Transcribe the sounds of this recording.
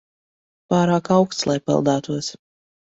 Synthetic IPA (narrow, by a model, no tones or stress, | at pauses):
paːɾaːkawkst̪slˠajpɛ̰lˠd̪aːt̪uɔs